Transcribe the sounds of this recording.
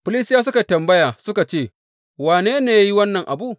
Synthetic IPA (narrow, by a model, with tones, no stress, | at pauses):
ɸʊ˨˦li˦sɪ˦jaː˦s̬ʊ˦ka˨tɐ˨mbɐ˦jaː˨sʊ˦ka˨t͡ʃeː˦˨ | waː˨neː˦neː˨ja˦ji˦wɐ˦nːɐ˨ŋʔa˨buː˦˨